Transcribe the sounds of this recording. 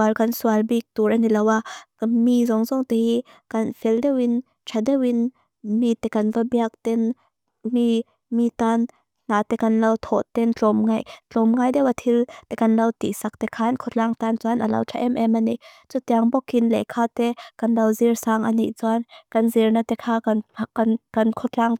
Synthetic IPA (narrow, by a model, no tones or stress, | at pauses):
alkansualbik̚t̪uɾɐnilɐwamizɔŋzɔŋt̪ɛhi | kɐnfʰɛldɛwin | tʰadɛwin | mit̪ɛkɐnvabiak̚t̪ɛn | mi | mit̪an | n̥aːt̪ɛkɐnlɐwt̪ʰɔʔt̪ɛnt͡ɬɔmŋajt͡ɬɔmŋajdɛwat̪ʰilt̪ɛkɐnlɐwt̪ḭsak̚t̪ɛkʰaːnkʰɔt͡ɬaŋt̪ant͡suanʔɐlɐ̰wtʰaʔɛmʔɛmaniʔ | t͡sut̪iaŋbɔkinlɛ̰kʰat̪ɛkɐnlɐwzirsaŋʔɐnḭʔt͡suankɐnzirnat̪ɛkʰaːkannkɐnkʰɔt͡ɬaŋ